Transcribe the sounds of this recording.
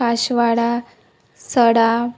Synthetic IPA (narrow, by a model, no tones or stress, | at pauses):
aɕʋaɽa | səɽa